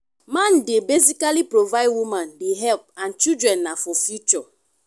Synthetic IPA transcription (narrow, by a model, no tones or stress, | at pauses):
mãndebezikalipɹovaɪdwumãnbiɦɛlp̚ãnt͡ʃidɹɛ̃nːafɔfjut͡ʃɔ